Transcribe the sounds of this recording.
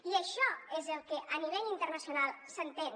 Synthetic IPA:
iəʃɔezəlˠkəʔəniβ̞ɛʎint̪əɾnəsiunalˠsənt̪en

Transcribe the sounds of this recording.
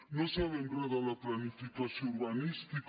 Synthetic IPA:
nõsaβembɾaðalaplanifikasjouɾβanist̪ik

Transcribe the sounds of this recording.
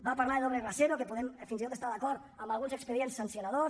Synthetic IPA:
baːpaɾlaɾeloβeraseɾokepoðemfinsit̪ot̪est̪aɾðakɔɾt̪ | ambalɣunsekspeijensansjonaðos

